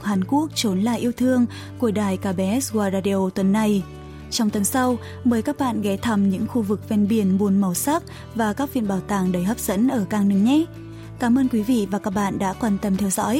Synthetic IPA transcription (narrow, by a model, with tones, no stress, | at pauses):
haː˨˩nku˦˥ək̚t͡ɕo˨˦nla̰ː˧˨jʔi˧əwt̪ʰɨ˧əŋ | ku˧˩əɗaː˨˩jkaː˧˩ɓɛ˨˦ʔɛ˦˥sɣwaː˧ɾaː˧ɗi˧ʔo˧t̪wə˨˩nːa˧j | t͡ɕɔ˧wŋ͡mt̪ə˨˦nsa˧w | məː˨˦jkaː˦˥k̚ɓa̰ː˧˨nɣɛ˨˦t̪ʰə˧˩mɲɨ̰˧˥ŋxu˧vɨ˨˩k̚vɛ˧nɓi˨˩ənɓu˨˩ənma˨˩wsa˦˥k̚ | vaː˨˩kaː˦˥k̚vḭ˧˨ənɓaː˧˩wt̪aː˨˩ŋɗə˨˦jɦəː˦˥p̚z̥ə̰˧˥nʔəː˧˩kaː˧ŋnɨ˨˦ŋɲɛ˨˦ | kaː˨˦mʔəː˧nkwi˨˦vḭ˧˨vaː˨˩kaː˦˥k̚ɓa̰ː˧˨nɗa̰ː˧˥kwaː˧˩nt̪ə˧mt̪ʰɛ˧wzɔ̰˧˥j